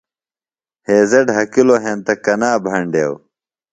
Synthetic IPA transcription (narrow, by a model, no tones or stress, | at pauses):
heːzɐɖɦɐkiloɦent̪ɐkɐnaːbʱɐɳɖeːw